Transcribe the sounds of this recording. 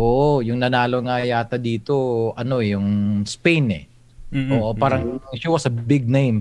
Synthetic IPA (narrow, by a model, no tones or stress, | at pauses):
ʔoʔojʊŋnɐnaːloŋajaːt̪ɐd̪iːt̪o̞ʔɐno̞ɛjʊŋspejnɛ̰ | ʔoːʔopaːɾɐŋʃiwɐsɐbɪɡ̚nẽjm